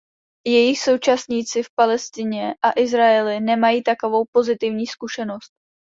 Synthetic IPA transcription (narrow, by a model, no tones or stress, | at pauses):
jɛjɪxso̞wt͡ʃasɲiːt͡sɪfpalɛst̪ɪɲɛʔaʔɪzɾaɛlɪnɛmajiːt̪ako̞vo̞wpo̞zɪt̪ɪvɲiːskuʃɛno̞st̪̚